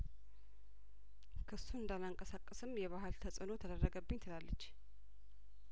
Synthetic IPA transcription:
kʰɨsuɨnd̪alaŋkʼəsakʼːəsɨmjɛβahɨlt̪ʰəsʼɨno̞t̪ʰəd̪ərːəɡəbːɨɲːt̪ʰɨlalːət͡ʃː

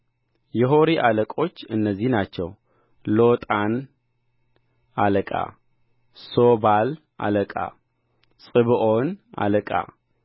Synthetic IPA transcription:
jɛɦo̞ɾiʔaləkʼo̞t͡ʃːɨnːəzːihnat͡ʃːɛ̰w | lot̪ʼan | aləkʼa̰ | sobal | ʔa̰ləkʼa̰ | sʼɨβɨʔona̰ləkʼa̰

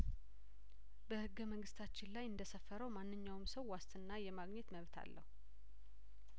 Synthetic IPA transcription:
bəhɨɡːəməŋɡɨst̪ʰat͡ʃːɪnlajɨnd̪əsəfːəɾəwmanːɨɲːawɨmsəwːast̪ɨnːajɛmaɡɲɛt̪məβt̪ʰa̰lːʔəhu

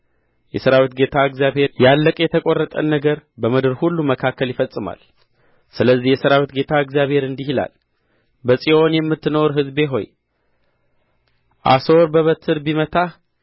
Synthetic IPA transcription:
jɛsəɾawit̪ɡe̞t̪ʰaɨɡzjaβhe̞ɾjalːəkʼjɛt̪ʰəkʼo̞rːət̪ʼə̰nːəɡəɾbəmɨd̪ɨɾhulːuməkʰakʰːəljɪfəsʼɨma̰l | sɨləzːihjɛsəɾawit̪ɡe̞t̪ʰaɨɡzjaβhe̞ɾɨnd̪ihila̰l | bəsʼio̞njɛmːɨt̪ːɨno̞ɾɦɨzbe̞ɦo̞̰j | ʔa̰so̞ɾbəβət̪ʰɨɾbimət̪ʰa

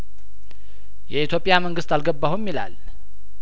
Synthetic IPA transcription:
jɛit̪ʰjo̞pʼːjaməŋɡɨst̪alɡəbːahumːila̰l

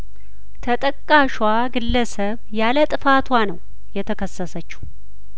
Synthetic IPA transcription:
t̪ʰət̪ʼəkʼːaʃwaɡɨlːəsəβjalət̪ʼɨfat̪ʰwanəw | jɛt̪ʰəkʰəsːəsət͡ʃːu̥

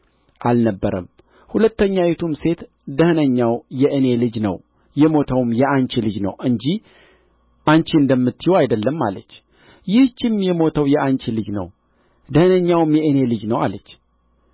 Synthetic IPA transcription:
ʔalnəbːəɾə̰m | hulət̪ːəɲːawet̪ʰumse̞t̪ | d̪əhnəɲːawjɛʔɨne̞lɨd͡ʒnə̰w | jɛmo̞t̪ʰəwmjɛant͡ʃilɨd͡ʒnə̰wɨɲd͡ʒih | ʔant͡ʃiɨnd̪əmːɨt̪ʰːijowajd̪əlːəmːa̰lət͡ʃː | jɪht͡ʃːɪmjɛmo̞t̪ʰəwjɛʔant͡ʃilɨd͡ʒnə̰w | d̪əhɨnəɲːawɨmjɛʔɨne̞lɨd͡ʒnəwa̰lət͡ʃː

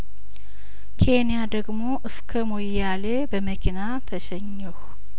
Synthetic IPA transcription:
kʰe̞nijad̪əɡmo̞ʔɨskʰəmojale̞bəməkʰina | t̪ʰəʃɛɲːɛh

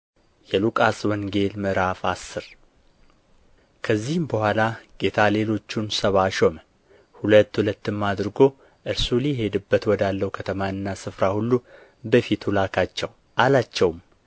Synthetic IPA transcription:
jɛlukʼaswɔŋɡe̞lmɨɾafa̰sːɨɾ | kʰəzːihɨmbəhʷalaɡ̥e̞t̪ʰale̞lo̞t͡ʃːunsəβaʃomə | hulət̪ːhulət̪ːɨmːad̪ɾɨɡo̞ | ʔɨɾsulijɛhe̞d̪ɨbːət̪wɔd̪alːəhukʰət̪ʰəmaɨnːasɨfɾahulːu | bəfit̪hulakʰat͡ʃːɛw | ʔalat͡ʃːɛwm

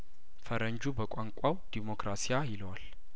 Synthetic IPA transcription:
fəɾəɲd͡ʒubəkʷʼaŋkʷʼawd̪̥imo̞kɾasijajɪlwal

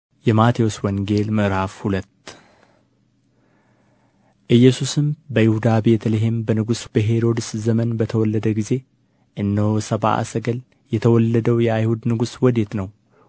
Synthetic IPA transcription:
jɛmat̪ʰijoswɔŋɡe̞lməʔɾhafhulət̪ː | ʔɨjːɛsusɨmbəjɪhud̪abe̞t̪ʰəleɦembənɨɡusbəɦeɾo̞d̪ɨszəmənbət̪ʰəwɔlːəd̪əɡize̞ | ʔɨnːəwsəβa̰ʔa̰səɡəl | jɛt̪ʰəwɔlːəd̪əwjɛajhud̪nɨɡuswɔd̪et̪nəw

